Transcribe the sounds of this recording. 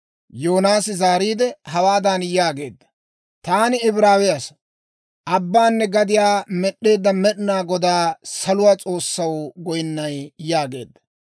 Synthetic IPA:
joːnaːsɪzaːɾiːd̪ɛɦɐwaːd̪anjaːɡe̞ːd̪ːɐ̥ | t̪aːnɪɪbɾaːwɛjɐs | ʔɐbːaːnːɛɡɐd̪ɪjaːmɛɗːe̞ːd̪ːɐmɛɗnaːɡɔd̪aːsɐlʊwaːt͡sʼo̞ːsːɐwɡɔjnːɐjjaːɡe̞̰ːd̪ːɐ̥

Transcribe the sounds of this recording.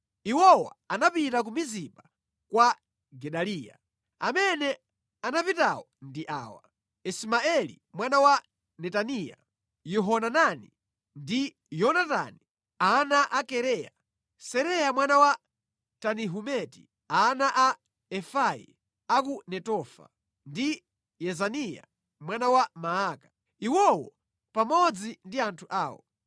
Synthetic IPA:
iwɔwa̰anapitak̬umizipa | kwa | ɡɛɗaliːja̰ | amɛnɛ | anapitawɔndiʔa̰ːwa̰ | ismaɛlḭmwanawa | nɛtanija̰ | jɔɦɔnanani | ndi | jɔnata̰ni | anaʔakɛɾɛja̰ | sɛɾɛjamwanawa | taniɦumɛti̥̰ | anaʔa | ɛfajḭ | akunɛtɔfa̰ | ndi | jɛzanija̰ | mwanawamaaka | iwɔwɔ | pamɔd͡zindiantʰuʔaːwɔ̰

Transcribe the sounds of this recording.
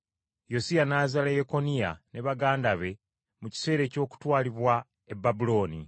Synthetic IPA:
jo̞sijanaːzalejeko̞nijaneβaɡaːndaβe̞ | muci̥se̞ːɾe̞ːco̞ːku̥twaːliβwa | e̞bːabulo̞ːni

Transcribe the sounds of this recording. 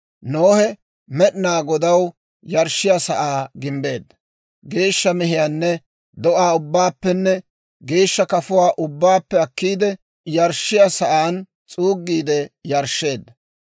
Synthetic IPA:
noːhɛ | mɛɗnaːɡɔd̪ɐw | jɐɾʃːɪjasɐʔaːɡɪmbe̞ːd̪ːɐ | ɡe̞ːʃːɐmɛɦɪjaːnːɛ | d̪ɔʔaːʊbːaːpːɛnːɛ | ɡeːʃːɐkɐfʊwaːʔʊbːaːpːɛɐkːiːd̪ɛ | jɐɾʃɪjasɐʔaːn | t͡sʼuːɡːiːd̪ɛjɐɾʃːe̞ːd̪ːɐ

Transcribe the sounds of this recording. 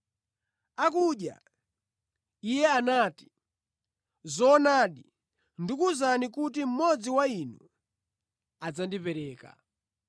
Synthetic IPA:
akuɗja̰ | ijɛanaːti̥ | zɔːnaːɗi | ndikuzanikut̬im̩mɔd͡ziwainṵ | ad͡zandipɛɾɛːka̰

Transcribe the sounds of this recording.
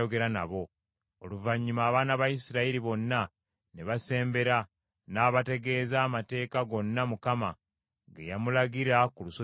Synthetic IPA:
oɡe̞ɾanaβo̞ | oluvaɲːumaːβaːnaβajisiɾaiɾiβo̞nːa | neβase̞ːmbe̞ɾa | naːβate̞ɡe̞ːzaːmate̞ːkaɡo̞nːamukama | ɡḛjamulaɡiɾakuluso

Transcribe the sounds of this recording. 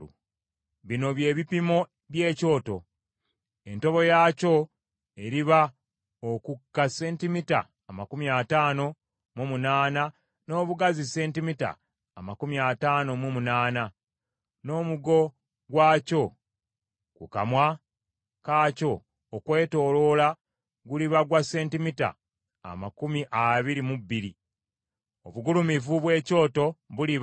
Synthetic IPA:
u | βino̞βje̞ːβipimo̞ | βje̞ːco̞ːto̞̰ | e̞nto̞βo̞jaːco̞ | e̞ɾiβa | okukːase̞ːntimita̰ːmakumiataːno̞ | momunaːna | no̞ːβuɡazise̞ːntimita̰ː | makumiataːno̞mumunaːna | no̞ːmuɡo̞ | ɡwaːco̞ | kṵka̰mwa | kaːco̞ː | kwe̞ːto̞ːlo̞la | ɡuliβaɡwase̞ːntimita̰ | a̰makumiʔaβiɾimubːiɾi | oβuɡulumivuβwe̞ːco̞ːto̞βuliβ

